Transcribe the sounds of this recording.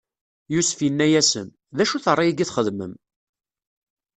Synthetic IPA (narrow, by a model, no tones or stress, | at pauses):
jusfjənːæjæsə̰n | ðæʃuθərˤːɑjiɡiθχəðmə̰m